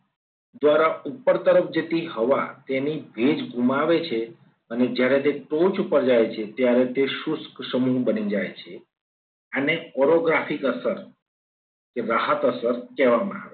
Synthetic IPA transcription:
d̪ʋaɾaupːəɾt̪əɾəfd͡ʒet̪iɦəʋa̰t̪enibʱed͡ʒɡʱumaʋet͡ʃʰe | əned͡ʒjaɾet̪eʈot͡ʃupəɾd͡ʒajt͡ʃʰet̪jaɾet̪eʃuskʃəmubənid͡ʒajt͡ʃʰe | aneɔɾoɡɾafikəsəɾ | keɾaɦət̪əsəɾkɛʋamãa̰ʋe

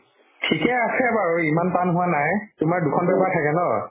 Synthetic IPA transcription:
tʰikɛasɛbaɹuimanpanɦʊwanajtʊmaɹdukʰɔnbɛbaɹtʰakɛnɔ

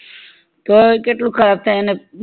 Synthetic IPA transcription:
t̪okeʈlũkʰəɾaːb̚t̪ʰane

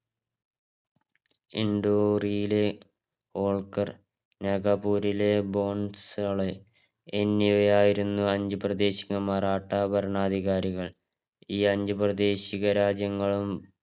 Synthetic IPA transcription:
ḭɳɖoːrijile̞ | o̞ːɭkɐr | neɡɐpuːɾile̞bo̞ːɳsɐɭe | enːiojaːjiɾunːuɐɲd͡ʑuprɐd̪e̞ːɕiŋɐmɐraːʈːabɐɾɐɳaːd̪ʱiɣaːɾiɣɐɭ | iːɐɲd͡ʑuprɐd̪e̞ːɕiɣɐɾaːd͡ʑjɐŋːɐɭum

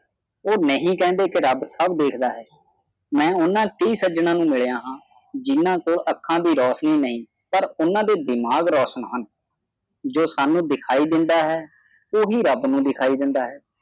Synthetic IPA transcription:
oːnəɦĩːkɛ̃ːnd̪eːkɪɾəbsəbd̪eːkʰd̪aːɦɛː | mɛ̃ːʊnãːkəiːsəd͡ʒnãːnũːmɪɭjãːɦãː | d͡ʒɪnːãːkoːləkʰːãːd̪iːɾɔːsniːnəɦĩː | pəɾʊnãːd̪eːd̪ɪmaːɡɾɔːsəɳɦən | d͡ʒoːsaːnũːd̪ɪkʰaːiːd̪ɪnd̪aːɦɛː | oːɦiːɾəbnũːd̪ɪkʰaːiːd̪ɪ̃nd̪aːɦɛː

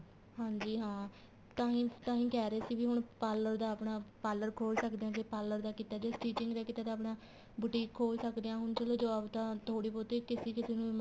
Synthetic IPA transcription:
ɦãːɲd͡ʒiːɦãː | t̪ãːɦĩːt̪ãːɦĩːkɛːɾeːsiːbiːɦʊɳpaːləɾd̪aːəpɳaːpaːləɾkʰoːlsəkd̪eːãːkepaːlːəɾd̪aːkit̪aːd͡ʒeːʈiːt͡ʃɪŋɡd̪aːkiːt̪aːd̪aːpɳaː | bʊʈiːkʰːoːlsəkd̪eːãːɦʊɳt͡ʃəloːd͡ʒəʋaːbt̪ãːt̪ʰoːɽiːpoːt̪eːkɪseːkɪseːnũː

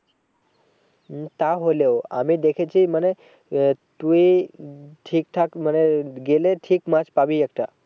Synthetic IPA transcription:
t̪aɦoleoamid̪ekʰet͡ʃʰiməne | t̪ui | ʈʰiːk̚ʈʰakməneɡeleʈʰikmãt͡ʃpabijək̚ʈa

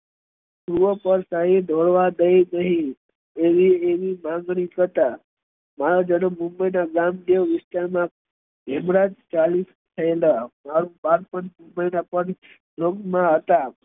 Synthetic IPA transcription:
pɾuʋəpəɾsaɦed̪ʱoɭʋad̪əjnəɦĩ | eʋieʋimãŋɡɽ̃it̪ʰət̪a | maɾad͡ʒənəːũmbəjnaɡamd̪eʋʋɪst̪aɾmã | ɡʱɛmɾad͡ʒt͡ʃalis | t̪ʰəelamaɾũbaɾpəɳmũmbəjnapən | d͡ʒʱokmãɦət̪a

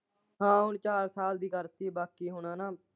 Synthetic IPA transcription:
ɦãːɦʊɳt͡ʃaːɾsaːld̪iːkəɾt̪iːbaːkiːɦʊɳ̃ãːnaː

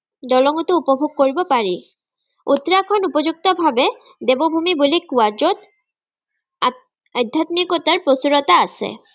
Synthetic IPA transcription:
ɖɔlɔŋut̪oupobʱoɡ̚koɹibopaɾi | ut̪ːɾakʰɔnupod͡ʑuk̚t̪obʱabe | d̪ebobʱumibulikuad͡ʒot̪ | ad̪ʱːat̪nikɔt̪aɾpɾosuɾot̪aasʰḛ

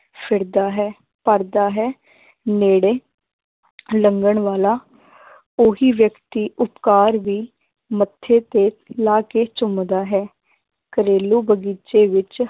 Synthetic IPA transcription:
pʰɪɾd̪aːɦɛː | pəɾd̪aːɦɛː | neːɽeː | ləŋɡəɳʋaːlaː | oɦiːʋjəkt̪iːʔʊpkaːɾʋiː | mət̪ʰːeːt̪eːlaːkeːt͡ʃʊmd̪aːɦɛː | kəɾeːluːbəɡiːt͡ʃeːʋɪt͡ʃ

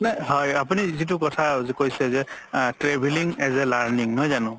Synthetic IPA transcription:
naɦɔjapunizit̬ʊkɔtʰazɛkojsɛzɛtɹebʱiliŋɛzɛlaɹniŋnɔjzanʊ̃

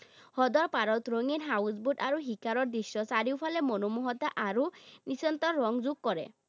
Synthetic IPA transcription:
hɔd̪ɔɾpaɾɔt̪ɾoŋinɦawsbuɖaɾuɦikaɾɔɾd̪isːɔsaɾiwpʰalemɔnɔmuɦɔt̪aʔaɾunisɔnt̪ɔːɔŋzuɡ̚kɔɾḛ

